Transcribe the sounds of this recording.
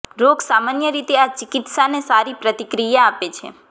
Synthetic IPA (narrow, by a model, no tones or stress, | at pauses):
ɾoɡsamanjəɾit̪eat͡ʃikit̪sanesaɾipɾət̪ikɾijaːpet͡ʃʰḛ